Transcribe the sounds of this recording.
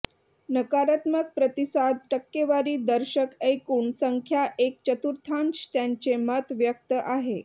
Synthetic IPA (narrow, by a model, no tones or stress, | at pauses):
nəkaɾat̪mək̚pɾət̪isad̪ʈəkːeʋaɾiːd̪əɾɕəkekuɳsəŋkʰjaʔek̚t͡ɕət̪uɾt̪ʰanst̪jaɲt͡ɕemət̪ʋjək̚t̪əʔaɦe